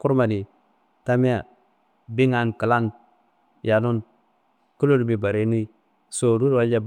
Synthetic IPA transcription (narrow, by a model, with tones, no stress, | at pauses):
ku˦ɾma˨ni˨ | ta˦mi˦a˨ | bi˦ŋa˨nkə˨la˦n | ja˨nu˦n | ku˦lo˦dbi˨ba˨ɾe˦nu˦i˦ | so˨ɾu˦ɾwa˦ld͡ʒa˦b